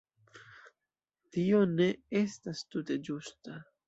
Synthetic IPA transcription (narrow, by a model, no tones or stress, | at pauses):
tio̞ne̞e̞stastute̞d͡ʒusta